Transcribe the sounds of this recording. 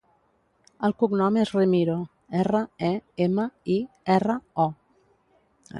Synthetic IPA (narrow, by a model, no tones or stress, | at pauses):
əlˠkuknɔmezrimiɾo | ɛrəɛeməi | ɛrəɔ